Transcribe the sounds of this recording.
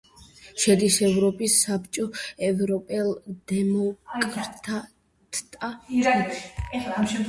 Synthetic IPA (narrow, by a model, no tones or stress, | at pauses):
ʃɛd̪isɛvɾɔpʼisːapt͡ʃʼɔɛvɾɔpʼɛlˠd̪̥ɛmɔkʼɾt̪ʰa | t̪ʰt̪ʼaaɛaamʃɛ